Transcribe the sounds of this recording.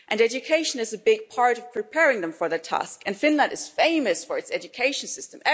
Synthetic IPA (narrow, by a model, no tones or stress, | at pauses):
ʔɨ̃nɛd͡ʒɨkʰeɪʃɨ̃nɨzɨbɪɡ̚pʰɑɹɾʌv̥pʰɹ̥ipʰɛɹɪ̃ŋðɨ̃ɱfə˞ðɨtʰæ̰skɨ̃nfɪ̃nlə̃ndɨz̥fẽɪ̃mɨsfə˞ɨtsɛd͡ʒɨkʰeɪʃn̩sɪstə̃mɛ